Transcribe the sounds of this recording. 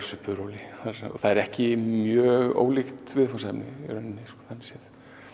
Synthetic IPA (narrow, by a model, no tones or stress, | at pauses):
sʏhpʏɾowlɪθaɔ̰θaðɛɾɛhcɪmjœːɣo̰ːwlixt̪vɪðfɔnsɛpnɪ̰iɾœnɪnːɪskɔ̥ːθanːsjɛθ